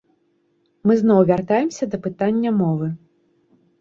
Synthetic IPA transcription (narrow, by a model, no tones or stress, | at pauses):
mɨznɔwvʲart̪ajɛmsʲɐd̪ɐpɨt̪anʲːɐmɔvɨ